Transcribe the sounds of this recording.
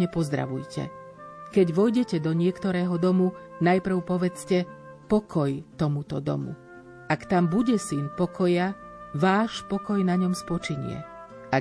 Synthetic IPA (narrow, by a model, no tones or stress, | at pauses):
ɲɛpɔzd̪ɾa̰ʋujcʰɛ̰ | kɛɟʋɔjɟɛcɛd̪ɔɲɪɛkt̪ɔɾɛːɦɔd̪ɔmunajpr̩ʊpɔʋɛt͡scɛ | pɔkʰɔjt̪ɔmut̪ɔd̪ɔ̰mṵ | akt̪ambuɟɛsinpɔkʰɔjaʋaːʃpɔkɔjnaɲɔmspɔt͡ʃiɲɪ̰ɛ̰ | a